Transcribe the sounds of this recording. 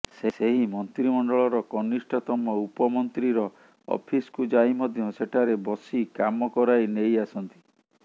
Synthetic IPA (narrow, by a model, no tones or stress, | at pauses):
seseɦimɔnt̪ɾimɔɳɖɔɭɔɾɔkɔnisʈɔt̪ɔmɔupɔmɔnt̪ɾiɾɔ | ɔ̰pʰiskud͡ʒajmɔd̪ʱjɔseʈʰaɾebɔsikamɔkɔɾajnejasɔnt̪i̥